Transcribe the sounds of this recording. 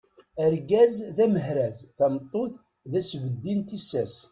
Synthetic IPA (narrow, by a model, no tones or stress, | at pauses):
əɾɡæzðæməɦɾæzθæmt̪ˤːoθ | ðæsvəd̪ːint̪isæs